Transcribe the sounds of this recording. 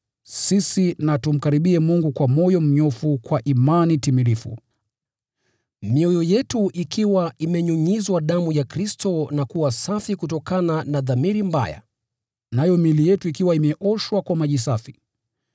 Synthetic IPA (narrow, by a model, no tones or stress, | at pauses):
sisinatum̩kaɾiɓiɛmuŋɡukwamɔjɔm̩ɲɔfukwaʔimanitimilifṵ | miɔjɔjɛtuʔikiwaimɛɲuɲizwaɗamujakɾistɔnakuwasafikutɔkananaðamiɾimba̰ja̰ | najɔmilijɛtuikiwaimɛʔɔʃwakwamaʄis̬afi